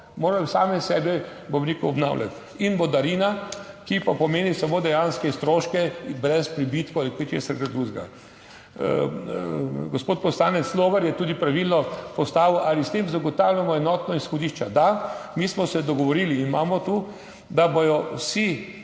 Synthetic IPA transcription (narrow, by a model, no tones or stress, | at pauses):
moːɾajɔsaːmɛsɛːbɛbomɾikɔɔbna̰wlʲja̰t̪ | inbɔd̪aɾina | kipapɔmeːnisamoːd̪ɛjanskɛst̪ɾoːʃkɛbɾɛspɾibit̪kɔalikɛt͡ʃḛsɐɾɡad̪ɾuʒɡa̰ | ɡospoːt̪̚pɔslaːnɛt̪sloːʋɛɾjɛt̪uːd̪ipɾaʋilnɔpɔst̪aːʋəwʔalist̪eːmzaɡɔt̪aːwljamɔɛnɔt̪nɔisxɔd̪iʃt͡ʃɛd̪amiːsmɔsɛd̪ɔɡɔʋɔɾiːliːnmaːmɔt̪uː | d̪abojɔwsi